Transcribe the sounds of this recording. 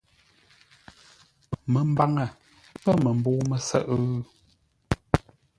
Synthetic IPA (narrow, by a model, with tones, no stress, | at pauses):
mə˨m̩˦ba˦ŋə˨ | pə˦mə˨m˨boː˦mə˨sə̰˦˨ʔ